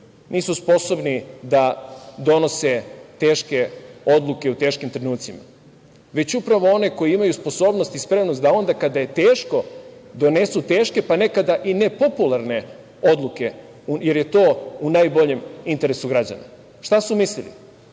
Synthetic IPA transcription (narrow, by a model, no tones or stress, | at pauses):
nʔiːsuspo̞so̞bnid̪ad̪o̞no̞set̪e̞ːʃke̞o̞d̪lˠuke̞ut̪e̞ːʃkimt̪ɾenuːt̪sima̰ | ʋe̞t͡ɕupɾaʋo̞o̞ne̞ko̞jiimajuspo̞so̞ːbno̞st̪ispɾe̞mnost̪d̪ao̞nd̪akad̪aje̞t̪e̞ːʃko̞d̪o̞ne̞sut̪e̞ːʃke̞pane̞kad̪aʔine̞po̞pulˠaɾne̞ | o̞d̪lˠuke̞ | uje̞ɾje̞t̪o̞ːunajbo̞ʎe̞mint̪e̞ɾesuɡɾad͡ʑa̰na̰ | ʃt̪asumislilḭ